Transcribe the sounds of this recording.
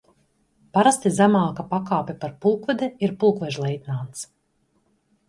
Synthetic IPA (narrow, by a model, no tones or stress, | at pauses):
paɾast̪izamaːkapakaːpʲɛpaɾpulˠkvad̪iiɾpulˠkvɛʒlˠɛjt̪ʲnaːt̪s